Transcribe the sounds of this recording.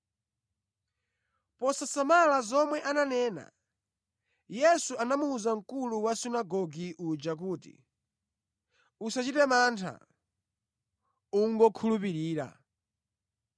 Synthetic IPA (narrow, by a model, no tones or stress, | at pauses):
pɔsasamalazɔmwɛʔananɛːna̰ | jɛsuʔanamuːzaŋ̩kuluwasinaɡɔɡiʔud͡ʒak̬uːtḭ | usat͡ʃitɛmaːntʰa̰ | uŋɡɔkʰulupiɾiːɾa̰